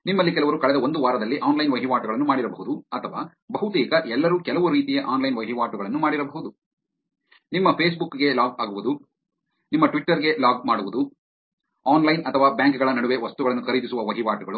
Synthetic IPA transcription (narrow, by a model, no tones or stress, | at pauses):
nimːɐlːikɛlɐʋɐɾukɐɭɛd̪ɐo̞nd̪uʋaːɾɐd̪ɐlːiʔaːnlɐjnʋɐɦiʋaːʈuɡɐɭɐnːumaːɽiɾɐbɐɦud̪uɐt̪ʰɐʋa̰ː | bɐɦut̪iːkɐʔɛlːɐɾukɛlɐʋuɾiːt̪ijɐʔaːnlɐjnʋɐɦiʋaːʈuɡɐɭɐnːumaːɽiɾɐbɐɦud̪u | nimːɐpʰeːsbukːɡe̞laːɡaːɡuʋud̪u | nimːɐʈʋiʈːɐɾɡe̞laːɡ̚maːɽuʋud̪u | aːnlɐjnɐt̪ʰɐʋaːbjaːŋkɡɐɭɐnɐɽuʋe̞ʋɐst̪uɡɐɭɐnːukʰɐɾiːd̪isuʋɐʋɐɦiʋaːʈuɡɐɭu